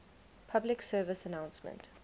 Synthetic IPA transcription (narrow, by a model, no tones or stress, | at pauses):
pʰablɪksɜːvɪsənãw̃nsmə̰̃nt